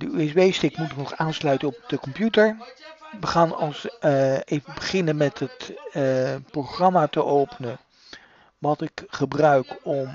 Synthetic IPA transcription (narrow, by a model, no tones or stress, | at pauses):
dəyɛzbejstɪkmutɪknɔχaːnslœɥtənɔp̚d̥əkɔmpjutəɹʋəχaːnɑlˠsejvəbəχɪnənmɛtɦət | prowχrɑmaːtəʔowpənə | ʋɑtɪkχəbrœɥkɔm